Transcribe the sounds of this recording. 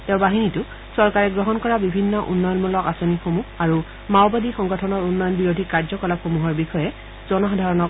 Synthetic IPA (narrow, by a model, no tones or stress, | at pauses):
tɛʊ̃baɦinitʊ | sɔɹkaɹɛɡɹɔɦɔnkɔɹabibʱinːɔʔṵnːɔjɔnmulɔkasonixomuaɹu | mawbadixɔŋɡɔtʰɔnɔɹunːɔjɔnbiɹodʱikaɹzɔkɔlapxomuɦɔɹbixɔjɛ | z̥ɔnɔxadʱaɹɔnɔk